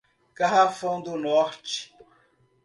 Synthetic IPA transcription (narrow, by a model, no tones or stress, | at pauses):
kaɦafõd̪unɔɾt͡ʃ